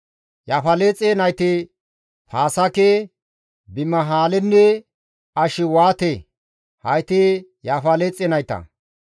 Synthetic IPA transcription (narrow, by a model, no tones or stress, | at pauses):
jaːfɐleːt͡sʼenɐjt̪ɪ | pʰaːsɐke | bɪmɐɦaːlɛnːɛ | ɐʃɪwaːt̪e | hɐjt̪ɪjaːfɐleːt͡sʼenɐjt̪ɐ̰